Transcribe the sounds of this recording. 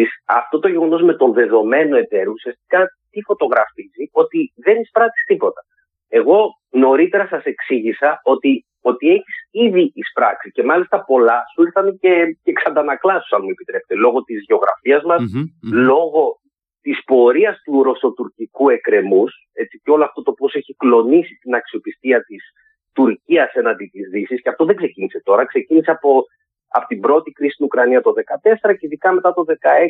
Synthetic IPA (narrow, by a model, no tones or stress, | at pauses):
isɐ̰ft̪o̞t̪oʝe̞ɣo̞no̞zme̞t̪o̞nðe̞ðo̞me̞no̞e̞t̪e̞ɾousiɐst̪i̥kɐt̪ifo̞t̪o̞ɣɾɐfizio̞t̪iðe̞nispɾɐt̪i̥st̪ipo̞t̪ɐ | e̞ɣo̞ | no̞ɾit̪e̞ɾɐsɐse̞ksiʝisɐo̞t̪i | o̞t̪ie̞çisiðiispɾɐksice̞mɐlist̪ɐpo̞lɐsuiɾθɐnce̞ceksɐnd̪ɐnɐklɐsu̥sɐnmue̞pit̪ɾe̞pet̪elo̞ɣo̞t̪izʝe̞o̞ɣɾɐ̰fiɐzmɐslo̞ɣo̞ | t̪ispo̞ɾiɐst̪uɾo̞so̞t̪uɾcikue̞kɾe̞mus | e̞t͡siceo̞loɐft̪o̞t̪opo̞seçiklo̞nisit̪inɐksio̞pist̪iɐt̪is | t̪uɾciɐse̞nɐnd̪it̪izðisisceɐft̪o̞ðe̞ɡse̞cinise̞t̪o̞ɾɐkse̞ciniseɐpo | ɐ̰pot̪ibɾo̞t̪ikɾisist̪inukɾɐniɐt̪o̞ðe̞kɐt̪e̞se̞ɾɐceiðikɐme̞t̪ɐt̪o̞ðe̞kɐes